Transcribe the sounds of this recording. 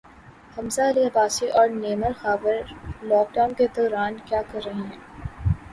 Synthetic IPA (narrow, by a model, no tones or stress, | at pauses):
hɐmzaɐliɐbaːsiʔɔːɾneːməɾxaːbəɾlɔːk̚ɖaːʊnked̪ɔːɾaːnkjaːkɐɾːɐɦiɦɛ̃ː